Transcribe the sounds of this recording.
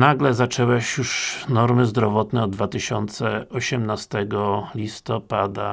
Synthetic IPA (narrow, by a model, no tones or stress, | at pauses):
naɡlɛzat͡ʂɛwɛɕjuʂnɔɾmɘzd̪ɾɔvɔt̪nɛɔd̪̚d̪vat̪ɘɕɔnt̪sɛɔɕɛmnast̪ɛɡɔlʲist̪ɔpad̪a